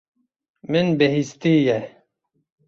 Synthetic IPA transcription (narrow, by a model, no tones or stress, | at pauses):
mɪnbɛɦist̪iːjɛ